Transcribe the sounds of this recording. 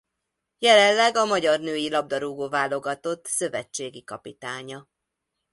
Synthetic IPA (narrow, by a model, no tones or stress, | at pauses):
jɛlɛnlɛɡɒmɒɟɒrnøːjilɒb̚d̪ɒɾuɡoːvaːlo̞ɡɒt̪o̞t̪ːsø̞vɛt͡ʃːeːɡikɒpit̪aːɲɒ